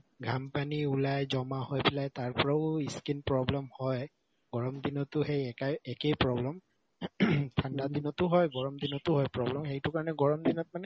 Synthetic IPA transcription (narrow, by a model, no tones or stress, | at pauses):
ɡʱampaniulajzɔmahojpilajtaɹpɔɹaʊiskinpɹɔblɛmhɔj | ɡ̥ɔɹɔmd̪inɔtʊxejɛkaɛkejpɹɔblɛm | tʰandadinɔtʊɦɔjɡɔɹɔmd̪inɔtʊɦɔjpɹɔblɛmxejtʊkaɹnɛɡɔɹɔmd̪inɔt̚manɛ